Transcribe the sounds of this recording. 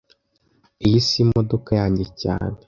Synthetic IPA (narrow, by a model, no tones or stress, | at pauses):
ijisimodokajaːɲɟeca̰ːne